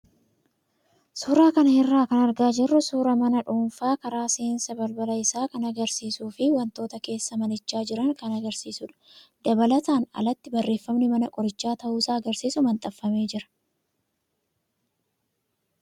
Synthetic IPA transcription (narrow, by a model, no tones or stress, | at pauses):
suːɾaːkɐnɐhɪrːaːkɐnɐɾɡaːd͡ʒɪrːʊsuːɾɐmɐnɐᶑuːnfaːkɐɾaːseːnsɐbɐlbɐlɐɪsaːkɐnɐɡɐɾsiːsuːfɪwɐnt̪o̞ːt̪ɐke̞ːsːɐmɐnɪt͡ʃːaːd͡ʒɪɾɐŋkɐnɐɡɐɾsiːsʊᶑɐ̥d̪̥ɐbɐlɐt̪aːnɐ̰lɐt̪ːɪbɐrːe̞ːfːɐmnɪmɐnɐkʼɔɾɪt͡ʃːaːt̪ɐʔuːsaːɐɡɐɾsiːsʊmɐnt̪ʼɐfːɐme̞ːd͡ʒɪɾɐ̥